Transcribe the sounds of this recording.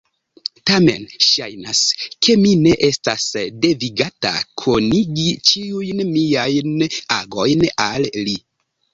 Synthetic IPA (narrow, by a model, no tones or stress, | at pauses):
tame̞̰nʃajnaskʰe̞mine̞ʔe̞stasde̞viɡata̰kʰo̞niɡit͡ʃiujnmiajnaɡo̞jnalli